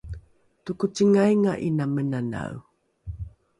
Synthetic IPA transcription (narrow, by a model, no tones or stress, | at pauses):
tukut͡siŋajŋaʔinamənana̰u